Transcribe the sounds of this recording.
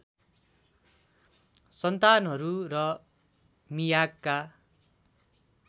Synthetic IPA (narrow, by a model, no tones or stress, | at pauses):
sʌnt̪anɦʌɾurʌ | mijakːa